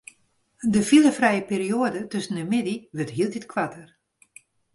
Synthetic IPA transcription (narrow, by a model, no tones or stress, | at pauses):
dəfilˠəfrɛjəpeːrioədətøsəndəmɪdiʋətɦiəlˠditkʰwatər